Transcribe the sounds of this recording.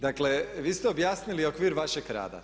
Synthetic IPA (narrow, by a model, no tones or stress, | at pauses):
d̪akle̞ʋiːst̪eɛobjaːsniliokʋiːɾʋaʃeɡɾa̰ːd̪a̰